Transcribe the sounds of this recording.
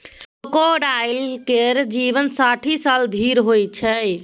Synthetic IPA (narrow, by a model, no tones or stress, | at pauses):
əkoɖajlkeɾd͡ʒiʋənsaʈʰisald̪ʱiɾɦojt͡ʃʰəj